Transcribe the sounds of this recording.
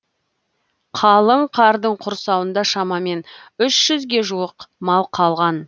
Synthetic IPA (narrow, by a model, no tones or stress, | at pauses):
qʰɑlˠəɴqʰɑɾd̪əɴqʰʊɾsɑwənd̪ɑʃɑmɑme̞nʏʃʒ̥ʏzɡʲe̞ʒuwəqmɑlˠqʰɑlˠʁɑn